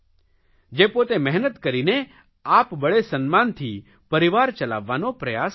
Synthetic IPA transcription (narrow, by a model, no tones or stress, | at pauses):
d͡ʒepot̪emɛɦnət̪kəɾine | aːpbəɭesənmaːnt̪ʰiː | pəɾɪʋaːɾt͡ʃəla̰ːʋːanopɾəjaːs